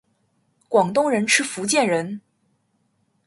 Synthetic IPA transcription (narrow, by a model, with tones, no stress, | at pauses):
kwɑ˨˩ŋt̪ʊ˥˧ŋɻə˧˥nʈ͡ʂʰɻ̩˥fu˧˥t͡ɕjɛ˥˩nɻə˧˥n